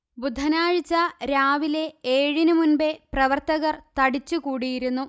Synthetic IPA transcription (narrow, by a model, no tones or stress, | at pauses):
bud̪ʱːɐnaːɻt͡ɕːɐɾaːʋile̞eːɻinumunbeprɐʋɐrt̪ɐɣɐrt̪ɐɽit͡ɕːukuːɽijiɾunːu